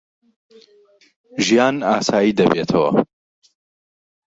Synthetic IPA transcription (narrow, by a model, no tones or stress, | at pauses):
ʒijaːnaːsaːjiːd̪ɐbeːt̪ʰɐwɐ̰